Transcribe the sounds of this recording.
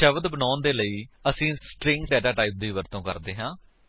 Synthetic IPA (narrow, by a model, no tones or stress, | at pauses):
ʃəʋəd̪bənaːnd̪eːləiːəsĩːsʈɾɪ̃ŋkɖɛːʈaːʈaːiːp̚d̪iːʋəɾt̪õːkə̰ɾd̪eːɦãː